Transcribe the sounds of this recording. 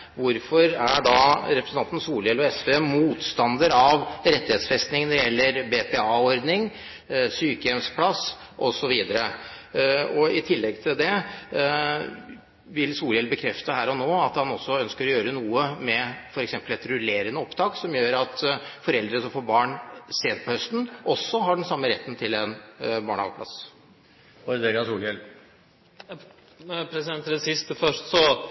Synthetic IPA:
ʋʊɾfɔɾæɖɑɾɛpʰɾəsnɑnt̪n̩suːljɛlɔɛspemuːt̪st̪ɑnd̪əɾɑʋɾɛt̪ːɪheːt̪sfɛst̪nɪŋnɛɾɪjɛlːəɾbepɛɑːɔɾd̪nɪŋ | syːkəjɛmspʰlɑs | ʔɔsɔʋiːd̪əɾə | ɔɪt̪ʰɪlːɛɡ̚t̪ʰɪld̪ɛ | ʋɪlsuːljɛlbəkʰɾɛft̪əhæːɾɔnoːɑt̪hɑnɔsːɔœnskəɾɔjøːɾənuːəmɛfɔɾɛksɛmpəlɛt̪ɾʉleːɾɪŋnəɔpt̪ʰɑːksɔmjøːɾɑt̪fɔɾɛld̪ɾəsɔmfoːɾbɑːɳseːt̪pʰɔhœst̪n̩ʔɔsːɔɦɑɖɛnsɑmːəɾɛt̪ːnt̪ʰɪlɛnbɑːɳɑ̰ɡplɑ̰s | ɔɾʋeɡɑsuːljɛl | pʰɾɛsɪd̪ɛnsɪst̪əfœʂt̪sɔ

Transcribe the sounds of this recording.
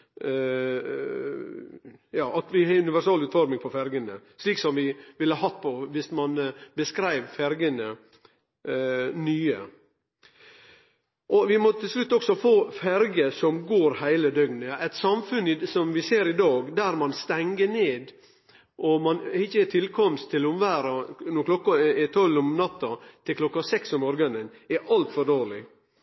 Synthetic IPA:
jɑːʔɑt̪ʋɪhɛʉnɪʋæʂɑːlʉːt̪fɔɾmɪŋpʰɔfæɾɡənəʂliːksɔmʋɪʋɪləhɑɦɑt̪̚ːpʰɔʋɪsmɑnbəskɾæɪʋfæɾɡənə | nyːə | ʔɔʋɪmɔt̪ʰɪlslʉt̪ːɔksɔfoːfæɾɡəsɔmɡoːɾhæɪləd̪œɡnəɛt̪sɑmfʉnːɪsɔmʋɪseːɾɪd̪ɑːɡd̪æɾmɑnst̪ɛŋɡəneːd̪ | ʔɔmɑnɪçːət̪ʰɪlkʰɔmst̪ʰːɪlʊmʋæːɾɑnuːkʰlɔkːɑt̪ʰɔlːʊmnɑt̪ːɑt̪ʰɪlklɔkːɑsɛksɔmɔɾɡənənɛʔɑlt̪fɔɖoːɾɭɪ̰

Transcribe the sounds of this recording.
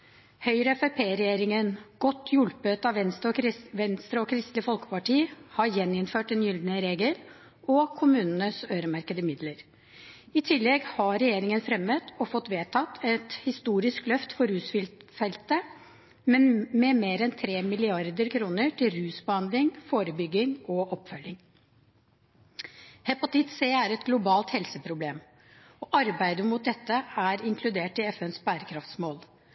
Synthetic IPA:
hœʏɾəɛfɛpʰeːɾɛjeːɾɪŋənɡ̥ɔt̪ːʰjʉlpət̪ɑʋɛnst̪ɔʋɛnst̪ɾəɔkʰɾɪst̪lɪfɔlkə̥pɑʈiːhɑɾjɛnɪnføːʈɛnjʏld̪nəɾeːɡəl | ɔkʰʊmʉːnnəsøːɾəmɑɾkəd̪əmɪd̪ləɾ | ɪt̪ʰɪlːɛɡhɑɾɛjeːɾɪŋənfɾɛmət̪ɔfɔt̪ːʋeːt̪ʰɑt̪ʰːɛt̪hɪst̪uːɾɪsklœft̪fɔɾʉːsfɪlfɛlt̪ə | mmɛmeːɾɛnt̪ʰɾeːmɪlɪɑɾd̪əɾkʰɾuːnəʈʰɪlɾʉːsbəhɑnd̪lɪŋfoːɾəbʏɡːɪŋɔʔɔpːfœlːɪŋ | hɛpɑt̪ɪt̪seːæɾɛt̪ɡlʊbɑːlt̪hɛlsəpʰɾʊbleːm | ɔʔɑɾbæɪd̪əmʊt̪̚d̪ɛt̪ːəæɾɪŋkʰlʉd̪eːʈɪɛfɛnsbæːɾəkʰɾɑft̪smoːl

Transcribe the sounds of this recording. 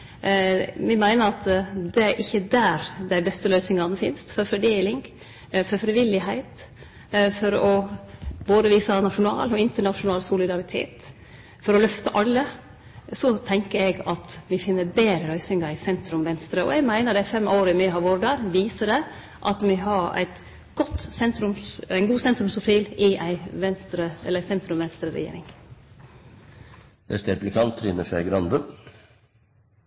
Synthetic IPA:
mɪmæɪnəɾɑt̪d̪ɛæɾʔɪçːəd̪æɾd̪æɪbɛst̪əlœʏsnɪŋɑnəfɪnst̪fɔɾfɔd̪eːlɪŋ | fɔɾfɾɪʋɪlːɪɦæɪt̪ | fɔɾɔboːd̪əʋiːsənɑʂʊnɑ̰ːlɔɪnt̪əɳɑʂʊnɑːlsʊlɪd̪ɑɾɪt̪ʰḛːt̪ | fɔɾɔlœft̪əʔɑlːə | sɔt̪ʰɛŋkəɾɛɡɑt̪mɪfɪnːəbeːɾəɾœʏsɪŋɑɾɪsɛnt̪ɾʉmʋɛnst̪ɾəɔ̰ɛɡmæɪnəɖ̪ɛfɛmoːɾəɪmɪːɦɑːʋoːɾɖɑːɾʋiːsəɖɛ | ʔɑt̪mɪɦɑɾæ̰ɪt̪ | ɡ̥ɔt̪ːsɛnt̪ɾʉmsæɪnɡuːsɛnt̪ɾʉmsʊfiːlɪʔæɪʋɛnst̪ɾəɛləæsɛnt̪ɾʉmʋɛnst̪ɾəɾɛ̰jḛːɾɪ̰ŋ | d̪ɛ̰st̪ɛplɪkʰɑnt̪ʰːɾiːnəʂæɪɡɾɑnd̪ən

